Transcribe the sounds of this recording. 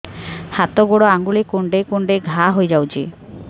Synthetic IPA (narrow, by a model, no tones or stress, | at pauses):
hat̪oɡoɽoaŋɡulikuɳɖekuɳɖeɡʱaɦojd͡ʒawt͡ʃʰḭ